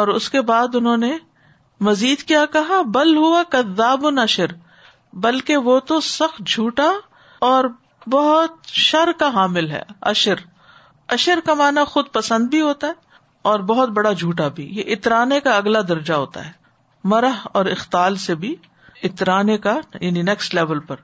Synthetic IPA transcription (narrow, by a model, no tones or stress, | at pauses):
ɔːɾʊskebaːd̪ʊnɦõːne | mɐziːd̪kijaːkɐɦabɐlɦʊakɐðːaːbʊnɐʃəɾ | bɐlkeʋot̪osɐxt̪̚d͡ʒʱuːʈa | ɔːɾ | bɐɦʊt̪̚ʃɐɾkaɦaːmɪlɦɛ̰ːɐ̰ʃəɾ | ɐʃəɾkamaːnaxʊd̪̚pɐsə̃nd̪̚bʱiɦoːt̪aɦɛ | ɔːɾbɐɦʊt̪̚bɐɽad͡ʒʱuːʈabʱḭjeʔɪt̪ɾaːnekaɐɡlad̪ɐɾd͡ʒaɦo̰ːt̪a̰ɦɛː | mɐɾəɦɔːɾɪxt̪aːlsebʱi | ɪt̪ɾaːnekajaːninɛːksʈlɛːʋəlpɐɾ